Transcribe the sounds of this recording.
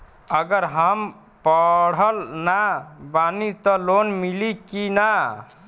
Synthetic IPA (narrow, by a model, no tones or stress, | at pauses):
əɡəɾɦəm | pəɽ̤əlnabanit̪ɔlonmilikina